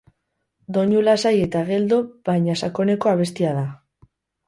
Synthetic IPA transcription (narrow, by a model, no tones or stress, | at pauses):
d̪o̞ɲulasaje̞t̪aɣe̞ld̪obaɲasako̞ne̞ko̞aβ̞e̞st̪iað̞a